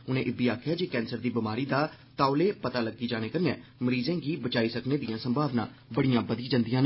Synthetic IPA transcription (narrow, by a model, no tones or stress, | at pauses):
ʊnẽːʔɪbiːaːkʰjaːd͡ʒeːkɛ̃ːnsəɾd̪iːbɪmaːɾiːd̪aː | t̪aːʊleːpət̪aːləɡːiːd͡ʒaːɽ̃eːkəɾnẽːməɾiːzẽːɡiːbət͡ʃaːiːsəkneːd̪ɪjãːsəmbʱaːʋnã̰ːbəɽijãːbəd̪iːd͡ʒãnd̪ijãːnː